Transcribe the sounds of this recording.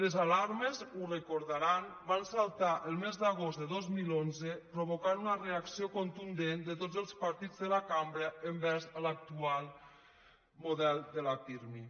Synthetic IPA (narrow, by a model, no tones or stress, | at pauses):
ləzalaɾməzurəkuɾðaɾan | bansalˠt̪aʔəlˠmezðəɣ̞ozd̪əðɔzmilonzəpɾoβ̞okanunəreaksiokont̪und̪end̪ət̪od͡zəlˠspəɾt̪id͡zðəlakambɾəəmbɛɾzəlak̚t̪ualˠ | muðɛlˠd̪əlafiɾmi